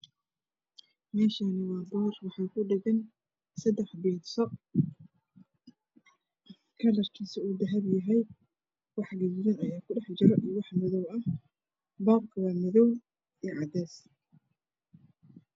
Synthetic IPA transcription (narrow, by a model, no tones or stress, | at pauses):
mɛːʃanɪwɑːbɔːrwɑħɑːjkʰʊɖɪɣɐn | sɐd̪ɛħbɛːd̪sɔ | kʰɐlɐrkʰiːsɐuːd̪ɐɦɐbjɐɦɛj | wɑħɡɐjɪjɐnɐjaːkʰʊɖɛħt͡ʃɪɾɔʔijwɑħmɪðɔwɐh | baːb̚kʰɐwɑːmɪðɔw | ijʕɑd̪ɛːs